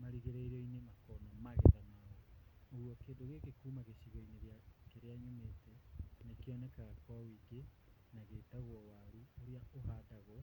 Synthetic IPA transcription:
maɾiɣeɾeiɾɔinemakɔnɔmaɣɛðanaɣɔoɣwɔkeːdoɣekekuːmaɣeɕiɣɔineɾeakeɾeaɲomeːtɛnekeɔnɛkaɣakɔwawiɡe | naɣeːtaɣwɔwaɾuoɾeaoɦadaɣɔ

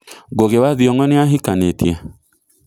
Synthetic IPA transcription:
ɡoɡewaðjɔŋɔnɪaɦikanetje

